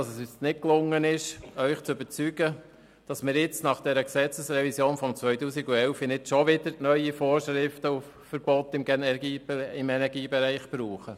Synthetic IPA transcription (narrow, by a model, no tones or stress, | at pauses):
dɑsəsysnɪt̚klʊŋːənɪʃœʏχt͡søbəɾt͡syɡ̥ə | d̥ɑsmɪːɾjɪt͡stnɑχd̥ɛɾəksɛt͡səsɾɛvisjoːnfɔmt͡sʋœʏtuːsiɡuɛlfɪnɪt͡sʃɔʋɪd̥əɾnœʏifɔːɾʃɾɪftəuf | fəɾb̥ɔtːɪmɡɛɛɡiːɪmɛnɛɾɡiːbɛɾæɪχb̥ɾuːχə